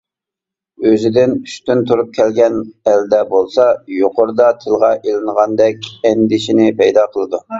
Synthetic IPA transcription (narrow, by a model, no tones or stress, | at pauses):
øzɪd̪ɪnyʃt̪ynt̪ʰuɾup̚kʲʰɛlɡʲɛnɛld̪ɛbolˠsɑjoqoɾd̪ɑt̪ʰɪlˠʁɑʔelɪnəʁɑnd̪ɛkʲɛnd̪ɪʃinɪpʰɛjd̪ɑqʰəlˠɨd̪u